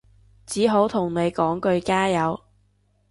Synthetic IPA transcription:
t͡siː˨˥ɦo˨˥wt̪ʰʊ˨˩ŋne˨˧jkɔː˨˥ŋkɵ˧ɥkaː˥jɐ˨˧w

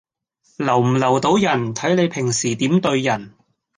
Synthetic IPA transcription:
lɐ˨˩wm̩˨˩lɐ˨˩wt̪o˨˧˥wjɐ˨˩nt̪ʰɐ˨˥jne˨˧jpʰɪ˨˩ŋsiː˨˩t̪iː˨˥mt̪ɵ˧ɥjɐ˨˩n

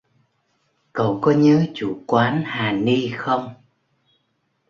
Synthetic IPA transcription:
kə˨˩wkɔ˨˦ɲəː˨˦t͡ɕu˧˩kwaː˨˦nhaː˨˩ni˧xə˧wŋ͡m

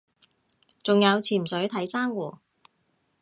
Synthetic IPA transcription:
t͡sʊ˨ŋjɐ˨˧wt͡sʰiː˨˩m̩sɵ˨˥ɥt̪ʰɐ˨˥jsaː˥ŋwɔː˧˩

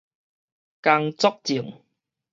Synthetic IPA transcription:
ka˧ŋt͡sɔ˥k̚t͡si˨˩ŋ

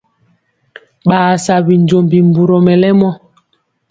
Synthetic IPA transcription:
ɓaː˨sa˨bi˨ɲd͡ʒo˨mbi˨mbu˨ɾo˨mɛ˨lɛ˦mɔ˦

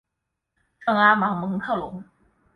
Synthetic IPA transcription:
ʈ͡ʂɤ˥˩ŋa˥ma˨˧˥ŋmɤ˨˧˥ŋkʰɤ˥˩lʊ̰˧˥ŋ

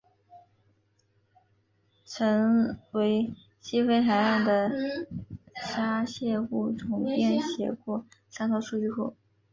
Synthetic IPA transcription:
ʈ͡ʂʰə˧˥ŋwe˧˥ɪ | ɕi˥fe˥ɪxa˧˥ɪa˥˩nd̪ə˩ | ʂa˥ɕjɛ˥˧xu˥˩ʈ͡ʂʰʊ˧˥ŋpjɛ˥˩nɕjɛ˧˥kwɔ˥˩sa˥nt̪ʰɑ˥ʊʂu˥˧t͡ɕy˥˧xo˥˩ʊ

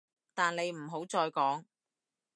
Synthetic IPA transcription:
t̪aː˨ne˨˧jm̩˨˩ɦo˨˥wt͡sɔː˧jkɔː˨˥ŋ

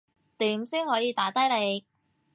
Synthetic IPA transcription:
t̪iː˨˥msiː˥nhɔː˨˥jiː˨˧t̪aː˨˥t̪ɐ˥jle˨˧˥j

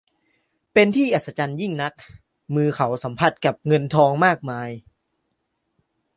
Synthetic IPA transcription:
pe˧nt̪ʰiː˥˩ʔa˨˩t̪̚sa˧˥t͡ɕa˧nji˥˩ŋna˦˥k̚ | mɯː˧kʰa˩˦wsa˩˦mpʰa˧˩t̪̚ka˨˩p̚ŋɤ˧nt̪ʰɔː˧ŋmaː˥˩k̚maː˧j

